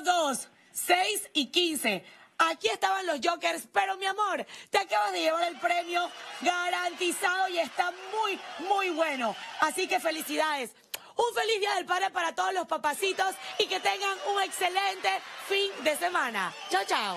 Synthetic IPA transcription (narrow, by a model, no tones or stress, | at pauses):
ðosː | ejsikinse̞akie̞st̪aβanlo̞zd͡ʒokeɾspe̞ɾomjamo̞ɾt̪eakaβazðe̞ʝe̞βaɾe̞lpɾe̞mjo̞ɡaɾant̪isað̞o̞ie̞st̪amujmujβwe̞no̞asike̞fe̞lisiðaðes | uɱfe̞lizðiaðe̞lpaðɾepaɾat̪oð̞ozlospapasit̪o̞sike̞t̪e̞ŋɡaŋuŋe̞kse̞lent̪e̞find̪e̞se̞mãna̰t͡ʃawt͡ʃaw